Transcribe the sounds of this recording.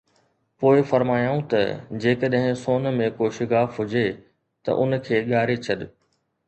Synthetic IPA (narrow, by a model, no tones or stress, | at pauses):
poːɪfɐɾmaːjaːũt̪ɐ̰d͡ʑeːkəɗɦɪ̃soːnmẽkoːʃɪkaːfɦʊd͡ʑe | t̪ɐ̰ʔʊnkʰeːɠaːɾet͡ɕʰɐɗ